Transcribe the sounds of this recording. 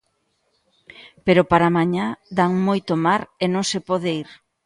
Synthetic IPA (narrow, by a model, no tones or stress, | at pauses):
peɾopaɾamaɲad̪aŋmojt̪omaɾenõŋsepɔðeiɾ